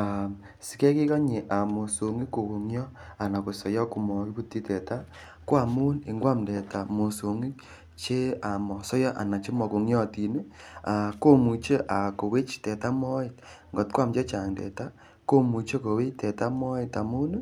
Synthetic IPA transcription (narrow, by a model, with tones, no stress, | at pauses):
a˨ | si̥˨kɛ˦ki˦kɔ˦ɲi˨ʔa˨mo˨so˨ŋi˦ko˨ku˨ŋjɔ˦a˨na˨ko˨sɔ˨jɔ˦ku˨mɔ˨ki˦ku˦ti˦tɛ˨ta˦ | kwa˨mu˦ni˨ŋɡwa˦mdɛ˨ta˨mo˨so˨ŋi˦ | t͡ʃe˦a˨mɔ˨sɔ˦jɔ˦ʔa̰˨na˨t͡ʃe˦mɔ˨ko˨ŋjɔ˦˨ti˨ne˦a˨ko˦mu˨t͡ʃe˦ʔa˨ko˨we˦t͡ʃtɛ˨ta˦mɔ˦ɪ˨t̚ŋɡɔ˨tkʷwa˦mt͡ʃɔ˦t͡ʃa˨ŋdɛ̰˨ta˦ | ko˦mu˨t͡ʃe˦ko˨we˦t͡ʃtɛ˨ta˦mɔ˦ɪ˨ta˨mu˦n